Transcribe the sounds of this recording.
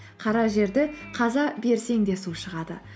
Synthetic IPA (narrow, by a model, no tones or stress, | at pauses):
qʰɑɾɑʒe̞ɾd̪ɪqʰɑzɑbe̞ɾse̞ŋd̪e̞suʃəʁɑd̪ə̰